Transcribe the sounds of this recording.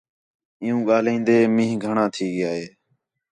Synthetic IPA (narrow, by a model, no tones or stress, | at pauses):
ɪjũːɠaːlĩːnd̪eːmĩːɡʱəɳãːt̪ʰiːɠɪjaːɦeː